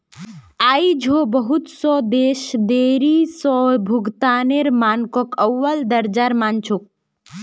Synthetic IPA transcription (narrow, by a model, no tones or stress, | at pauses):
aːid͡ʒʱobəɦut̪sɔd̪eːʃd̪eːɾisɔbʱuɡt̪aːneɾmaːnkɔkəwːəld̪əɾd͡ʒaɾmaːnt͡ʃʰok̚